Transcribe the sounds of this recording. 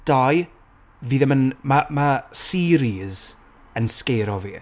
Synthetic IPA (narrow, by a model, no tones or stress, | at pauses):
d̥aj | viːðəmənmamasiɾiz | ənskejɾɔvḭː